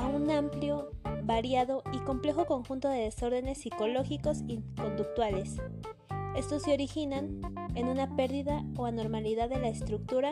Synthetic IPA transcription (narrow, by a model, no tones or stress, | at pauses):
aunampljo̞βaɾjaðoiko̞mple̞xo̞ko̞ŋxunt̪o̞ðe̞ðeso̞ɾðe̞ne̞sːiko̞lo̞xiko̞siko̞nd̪uk̚t̪wale̞s | e̞st̪osːeo̞ɾixinanenunape̞ɾðiðaoano̞ɾmaliðaðːelaest̪ɾuk̚t̪uɾa